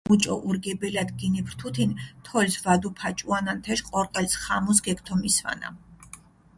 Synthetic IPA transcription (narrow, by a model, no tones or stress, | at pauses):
mut͡ʃʼɔ̰ʔuɾɡɛbɛlad̪ɡinipʰɾt̪ʰut̪ʰint̪ʰɔlsvad̪upʰat͡ʃʼuanant̪ʰɛʃqʼɔɾqʼɛlsχamɔs̬ɡɛkʰt̪ʰɔmisva̰na̰